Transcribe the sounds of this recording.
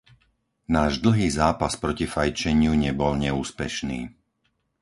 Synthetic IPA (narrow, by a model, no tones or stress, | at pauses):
naːʒd̪l̩ˠɦiːzaːpaspɾɔcifajt͡ʃɛɲɪuɲɛbɔlɲɛuːspɛ̰ʃniː